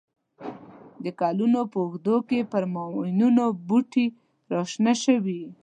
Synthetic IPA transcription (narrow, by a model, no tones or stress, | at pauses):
d̪əkɑlunopəʊxd̪okepəɾmɑwɪnunobuʈi | ɾɑʃnaʃəwi